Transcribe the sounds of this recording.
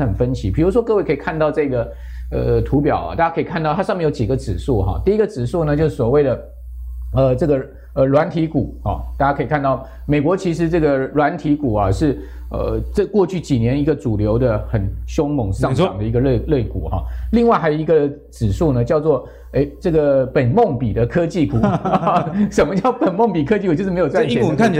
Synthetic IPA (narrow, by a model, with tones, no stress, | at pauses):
xə˨˩nfə˦˥nt͡ɕʰi˧˥pʰi˨˩ɻu˧˥ʂ̬wɔ˥kɤ˥˧we˥˩ɪkʰə˥i˨˩kʰa˥˧nt̪ɑ˥˧ʊʈ͡ʂɤ˥˧ɡə˩ | ə̰˧t̪ʰu˧˥pjɑ̰˨˩ʊɐ̰˩t̪a˥˩t͡ɕa˥kʰɤ˧˥i˨kʰa˥˧t̪ɑ˥˩t̪ʰʂɑ˥˧mjɛ˥˩jo˥t͡ɕi˨˩ɡə˧˦ʈ͡ʂɻ̩˨˩ʂu˥˩xɑ̰˩t̪i˥˩i˦˥ɡə˨t͡sɻ̩˨˩ʂu˥˩nə˩t͡ɕjo˥˧ʊʂ̩˥˩swɔ˨˩we˥˩ɪd̪ə˩ | ə˧ʈ͡ʂɤ˥˩ɡə˩ | ə˧lwa˧˥nt̪ʰi˧˥ku˨˩˦xɑ˩t̪a˥˩t͡ɕja˥kʰɤ˧˥i˨˩kʰa˥˧nt̪ɑ˥˩ʊ | me˨˩ɪkwɔ˧˥t͡ɕʰi˧˥ʂɻ̩˧˥ʈ͡ʂɤ˥˩ɡə˩lwa˧˥nt̪ʰi˧˥ku˨˩ɐ˨˩ʂɻ̩˥˧ | ə̰˧˩ʈ͡ʂə˥˧kwɔ˥˧t͡ɕʰy˥˩t͡ɕi˨˩njɛ˧˥ni˧˥ɡə˧t͡su˨˩ljo˧˥ʊd̪ə˧xə˨˩nɕjo˥ŋmʊ˧˥ŋʂɑ˥˧ŋ˩ɑ˨˩ŋd̪ə˦i˧˥ɡə˧le˥˩le˥˩ɪkṵ˨˩˦xɑ̰˥˩li˥˧ŋwa˥˩ɪxa˧˥ɪjo˨˩i˧˥ɡə˧ | ʈ͡ʂɻ̩˨˩ʂu˥˩nə˩t͡ɕjɑ˥˧ʊt͡swɔ˥˩ | e˥ɪʈ͡ʂɤ˥˩ɡə˩pə˨˩nmo˥˩ŋpi˨˩d̪ə˦kʰɤ˥t͡ɕi˥˩ku˨˩ | ʂə˨˩nmə˦t͡ɕjɑ˥˩ʊpə˨˩nmo˥˩ŋpi˨˩kʰɤ˥t͡ɕi˥˩ku˨˩t͡ɕo˥ʊ˥˧m˧˥jo˨˩ʊt͡sa˥˨ɛ˥˨˧kʰa˥˩t͡ɕ